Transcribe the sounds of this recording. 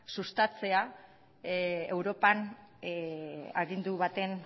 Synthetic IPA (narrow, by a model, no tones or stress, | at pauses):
sust̪at͡se̞a | ewɾo̞pan | a̰ɣind̪uβat̪e̞n